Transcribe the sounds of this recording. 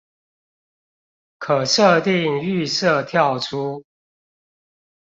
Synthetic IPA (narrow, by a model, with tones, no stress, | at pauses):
kʰə˨˩ʂə˥˧t̪i˥˨ŋy˥˧sə˥˨t̪ʰjɑ˥˨ʊʈ͡ʂʰu˦